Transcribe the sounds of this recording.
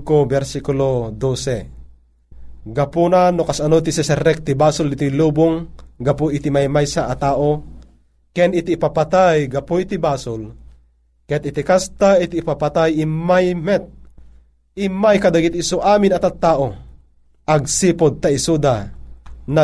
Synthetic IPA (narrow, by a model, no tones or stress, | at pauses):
kobɛɾsikulod̪oːsɛ | ɡapunanokasanot̪isɛsɛɾɛk̚t̪ibaːsʊlit̪iluːbʊŋɡapoʔit̪imajmajsaʔat̪aːʔo | kɛnit̪iːpapat̪ajɡapoit̪ibaːsol | kɛt̪it̪ikast̪ait̪iːpapat̪ajimajmɛt̪̚ | imajkad̪aɡit̪isoʔaːminɐt̪at̪ːaːʔo | ʔaɡ̚sipod̪̚t̪aisud̪a | na